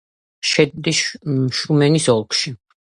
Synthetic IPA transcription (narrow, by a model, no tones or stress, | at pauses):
ʃɛd̪̚d̪iʃumɛnisɔlˠkʰʃi